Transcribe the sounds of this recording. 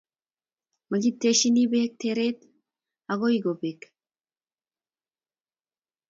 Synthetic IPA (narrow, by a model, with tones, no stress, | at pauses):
ma˨ɡit̪ːe˦ʃi˦ni˦be˦t̪eɾe˦t̪ | a˨ɣo˦iɡo˨be˨k